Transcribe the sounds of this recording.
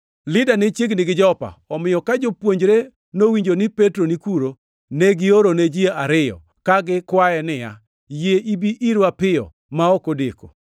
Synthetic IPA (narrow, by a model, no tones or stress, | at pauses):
lɪdanet͡ʃjeɡnɪɡɪd͡ʒɔpa̰ɔmɪjɔkad͡ʒopwoɲd͡ʒɾe | nowiɲd͡ʒonɪpetɾonikuɾo | neɡɪoɾoned͡ʒieaɾɪjɔ̰ | kaɡɪkwaɛnɪja̰ | jeʔibiʔiɾwapɪjɔ̰ | maɔkodeko̰